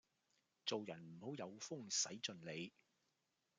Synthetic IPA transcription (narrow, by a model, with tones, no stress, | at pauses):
t͡so˨wjɐ˨˩nm̩˨˩ho˨˥wjɐ˨˧wfʊ˥ŋsɐ˨˥jt͡sɵ˨˧nle˨˧j